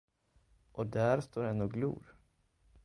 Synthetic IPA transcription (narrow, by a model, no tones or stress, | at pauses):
ʔɔd̪æɾst̪ʰoːɾɛnːɔɡlṵːɾ